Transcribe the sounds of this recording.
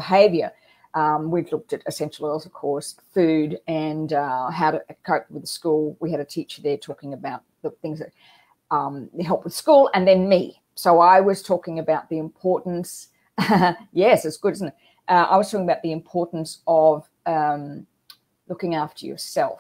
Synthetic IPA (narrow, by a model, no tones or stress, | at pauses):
bəɦeɪvjə˞ | ʔʌ̃mwilʊk̚tɨɾɨsɛ̃nʃl̩ˠɜlˠzʌv̥kʰɔɹsfʉɾɨ̃nʌɦaʊɾɨkʰoʊp̚wɨðskulˠwiɨɾɨtʰit͡ʃə˞ðə˞tʰɔkɪ̃ŋɨbaʊt̪̚ðəθɪ̃ŋzðɨt̚ | ʌ̃mɨɦɛlˠpwɨð̥skulˠɨ̃nðɨ̃nmi | soʊaɪwʌz̥tʰɔkɪ̃ŋɨbaʊt̪̚ðiɨ̃mpʰɔɹʔn̩s | jɛsɨtsɡ̥ʊɾɪzn̩ɨt̚ | ʔʌa̰ɪwʌz̥tʰɔkɪ̃ŋəbaʊt̪̚ðiɨ̃mpʰɔɹʔn̩sʌv | ʌ̃m | lʊkɪ̃ŋæftə˞jə̰˞sɛlˠf